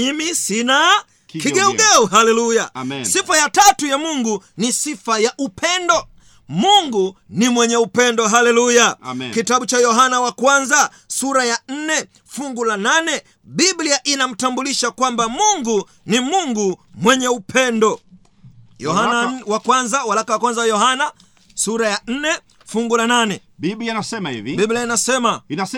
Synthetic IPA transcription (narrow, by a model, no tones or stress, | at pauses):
imisina | kiɡɛuɡɛuɦalɛlujasifajatatujamuŋɡunisifajaʔupʰɛndɔ | muŋɡunimwɛɲɛupɛndɔɦalɛlujakitaɓut͡ʃajɔɦanawakwanza | suɾajan̩nɛ | fuŋɡulananɛ | ɓibliaʔinam̩tambuliʃakwambamuŋɡu | nimuŋɡumwɛɲɛupʰɛndɔ | jɔhanawakwanzawalakawakwanzaajɔhana | suɾajan̩nɛ | fuŋɡulananɛ | biblianasɛmahḭvibibliainasɛmana